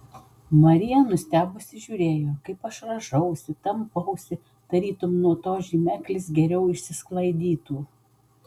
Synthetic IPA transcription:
mɐɾʲɪjɛnʊsʲt̪ʲæːbʊsʲɪʒʲuːɾʲeːjoːkɐɪpɐʃɾɐʒɐʊsʲɪt̪ɐmpɐʊsʲɪ | d̪̥ɐɾʲiːt̪ʊmnuɔt̪oːʒʲimʲæːklʲɪsɡʲɛɾʲɛʊɪʃʲsʲɪsklˠɐɪd̪ʲiːt̪uː

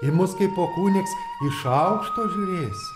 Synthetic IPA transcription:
ɪmʊskɐɪpoːkuːnʲɪks | ɪʃɐʊkʃt̪oːʒʲʊːɾʲeːsʲ

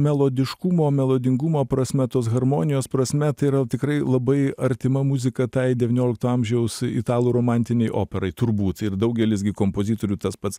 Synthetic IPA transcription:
mʲɛlˠoːd̪ʲɪʃkumoːmʲɛlˠoːd̪ʲɪŋɡumoːpɾɐsʲmʲɛt̪oːsɣɐɾmoːnʲɪjoːspɾɐsʲmʲɛt̪ɐɪiɾɐt̪ʲɪkɾɐɪlˠɐbɐɪɐɾʲt̪ʲɪmɐmuzʲɪkɐt̪ɐɪd̪ʲɛʋʲiːnʲoːlʲɪkt̪oːɐmʲʒʲɛʊsɪ̰t̪ɑːlˠuːɾoːmɑnʲt̪ʲɪnʲɛɪʔo̰ːpʲɛɾɐɪt̪ʊɾbuːt̪ɪd̪ɐʊɡʲɛlʲɪs̬ɡʲɪkoːmpoːzʲiːt̪oːɾʲuːt̪ɐspɐt̪s

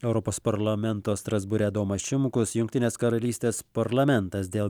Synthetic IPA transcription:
ɛʊɾɔpoːspɐɾlˠɐmʲɛnt̪oːst̪ɾɐzbʊɾʲɛːd̪oːmɐʃʲɪmkʊsjʊŋʲkt̪ʲɪnʲeːskɐɾɐlʲiːsʲt̪ʲeːspɐɾlˠɐmʲɛnt̪ɐsd̪ʲeːlˠ

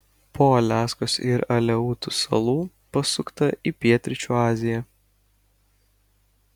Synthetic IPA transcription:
poːɐlʲæːskosɪɾɐlʲɛuːt̪ʊsɐ̰lˠuː | pɐsʊkt̪ɐʔipʲiɛt̪ʲɾʲɪt͡ʃʲuːɑːzʲɪjɛ

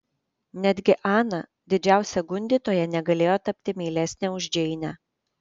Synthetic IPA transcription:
nʲæd̪ʲɡʲɪʔɑːnɐ | d̪ʲɪd͡ʒʲæˑʊsʲɛɡʊnʲd̪ʲiːˑt̪oːjɛnʲɛɡɐlʲeːjoːt̪ɐpʲt̪ʲɪmʲiːlʲɛsʲnʲɛʊʒʲd͡ʒʲɛɪnʲæ

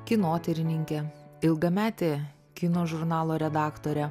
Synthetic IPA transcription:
kʲɪnoːt̪ʲɛɾʲɪnʲɪŋʲkʲɛɪlˠɡɐmʲæːt̪ʲeː | kʲɪnoːʒʊɾnɑːlˠoːɾʲɛd̪ɑːkt̪oːɾʲɛ

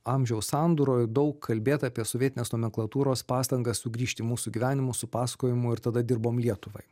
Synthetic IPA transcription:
ɑːmʲʒʲɛʊssɑːnd̪uːɾoːjd̪ɒʊkʰːɐlʲbʲeːt̪ɑːpʲiɛsoʋʲiɛt̪ʲɪneːsnoːmʲɛŋklˠɐt̪uːɾoːspɑːst̪ɐŋɡɐssʊɡɾʲiːʃʲt̪ʲɪmuːsʊɡʲiʋʲæːnʲɪmʊsʊpɑːsɐ̥koːjɪmʊɪɾt̪ɐd̪ɐd̪ʲɪɾboːmlʲiɛt̪ʊʋɐ̰ɪ

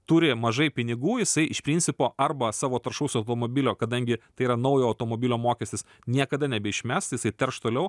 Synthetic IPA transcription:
t̪uːɾʲɪmɐʒɐɪpʲɪnʲɪɡuːjɪsɐɪʔɪʃpʲɾʲiːnʲt͡s̪ʲsʲɪpoːɐrbɐsɑːʋoːt̪ɐrʃɐʊsʲʊɐʊt̪oːmoːbʲɪlʲoːkɐd̪ɐŋʲɡʲɪt̪ɐɪiːɾɐnɐʊjoːɐʊt̪oːmoːbʲɪlʲoːmoːkʲɛsʲt̪ʲɪs | nʲiɛkɐd̪ɐnʲɛbʲɛɪʃʲmʲæst̪jɪsɐɪt̪ʲɛrʃt̪oːlʲɛʊ

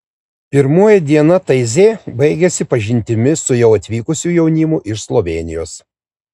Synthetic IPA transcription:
pʲɪɾmoːjɛd̪ʲiɛnɐt̪ɐɪzʲeːbɐɪɡʲɛsʲɪpɐʒʲɪnʲt̪ʲɪmʲɪsʊjɛʊɐt̪ʲʋʲiːkʊsʲuːjɛʊnʲɪmʊʔɪʃslˠɔʋʲeːnʲɪ̰joːs

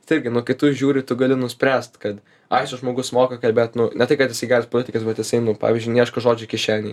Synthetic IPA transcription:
tɪɾʲɡʲɪnʊkɐɪt̪ʊʒʲuːɾʲɪt̪ʊɡɐlʲɪnʊsʲpʲɾʲæːst̪kɐt̪ | ɐɪsʊʒmoːɡʊsmoːkɐkɐlʲbʲeːt̪nʊnʲɛt̪ɐɪkɐt̪jɪsɐɪɡɑːɾʲspolʲɪt̪ʲɪkɐsbʲɛt̪jɪsɐɪnʊpɑ̰ːʋʲiːzʲd͡ʒʲynʲiɛʃkɐʒoːd͡ʒʲʊkʲɪʃʲæːnʲɪ

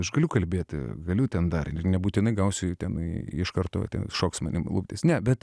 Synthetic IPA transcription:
ɐʃɡɐlʲʊkɐlʲbʲeːt̪ʲɡɐlʲʊt̪ʲɛnd̪ɐrɪnʲɛbuːt̪ʲɪnɐɪɡɐʊsʲʊt̪ʲɛnɪʃkɐrt̪o̰ːt̪ʲɛ̰nʃoːksmɐnʲɪmlˠʊpʲt̪ʲesnʲɛbʲɛt̪

